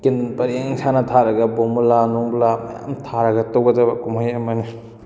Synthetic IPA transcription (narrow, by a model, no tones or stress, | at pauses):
kinpɐɾeŋŋsanɐtʰaɾɐɡɐbomulanoŋblamɐ̰ja̰mtʰaɾɐɡɐtowɡɐdɐbɐkumhajɐmɐni